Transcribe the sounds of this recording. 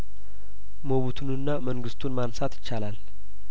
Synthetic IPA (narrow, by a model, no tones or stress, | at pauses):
moβut̪ʰunɨnːaməŋɡɨst̪ʰunmansat̪ʰjɪ̥t͡ʃːalal